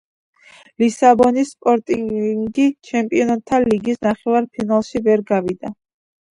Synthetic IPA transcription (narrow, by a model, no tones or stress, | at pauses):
lisabɔnisːpʼɔɾt̪ʼiŋŋɡit͡ʃʰɛmpʼiɔnat̪ʰːaliɡisnaχɛvaɾpʰinalˠʃivɛɾɡavid̪a